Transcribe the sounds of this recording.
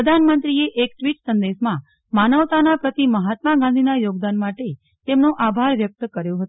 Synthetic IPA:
əd̪ʱanmənt̪ɾieʔekʈʋiʈsənd̪eʃmã | manəʋt̪anapɾət̪iməɦat̪̚maɡãnd̪ʱinajoɡ̚d̪anmaʈe | t̪emnoʔabʱaɾʋjək̚t̪əkəɾjõɦət̪

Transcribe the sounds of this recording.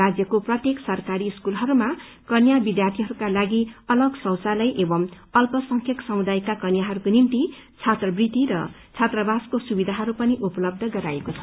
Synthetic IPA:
ad͡zjʌkoprʌt̪jeksʌrkaɾiskulɦʌɾuma | kʌnjabid̪jart̪ʰiɦʌɾukalaɡiʌlʌɡsʌwsalʌjʔebʌm | ʌlpʌsʌŋkʰjʌksʌmud̪ajkakʌnjaɦʌɾukonimt̪i | t͡sʰat̪rʌbrit̪iɾʌ̰ | t͡sʰat̪rʌbaskosubid̪ʱaɦʌɾupʌniʔupʌlʌb̚d̪ʱʌɡʌɾaekot͡sʰʌ̥

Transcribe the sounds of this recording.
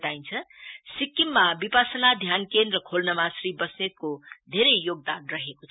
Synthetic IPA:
t̪aint͡sʰʌsikːimːabipasʌnad̪ʱjankenrʌkʰolnʌmasribʌsnet̪̚kod̪ʱeɾʌjjoɡ̚d̪anrʌɦekot͡sʰ

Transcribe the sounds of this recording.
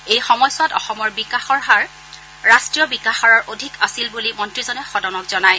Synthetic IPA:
ejxɔmɔjswatɔ̰xɔmɔɹbikaxɔɹɦaɹː | astɹijɔbikaxaɹɔɹʔodʱikasilbulimɔntɹizɔnɛxɔdɔnɔkz̥ɔnaj

